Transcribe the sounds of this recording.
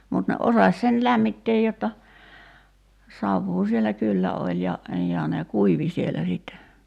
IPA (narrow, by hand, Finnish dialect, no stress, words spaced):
mut ne ʔosɑsʲ sen læmːitːeːj jotːɑ sɑʋːuː sielæ kylːæ olʲ jɑ jɑ ne kuiʋi sielːæ siˑtːe